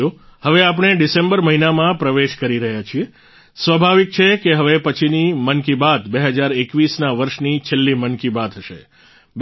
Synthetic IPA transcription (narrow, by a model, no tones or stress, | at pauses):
ohəʋeap̬ɽ̃eɖisẽmbəɾməɦinamãpɾəʋeʃkəɾiɾəɦjat͡ʃʰie | sʋəbʱaʋik̚t͡ʃʰekeɦəʋepət͡ʃʰinimənkibad̪beɦəd͡ʒaɾekʋisnaʋəɾʃnit͡ʃʰelːimənkibad̪ɦəʃḛ | b